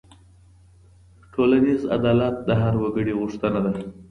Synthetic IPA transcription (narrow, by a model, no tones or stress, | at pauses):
ʈʰolaniza̰d̪ɑlat̪̚d̪əɦaɾwaɡəɽiɣʊʂt̪ənad̪a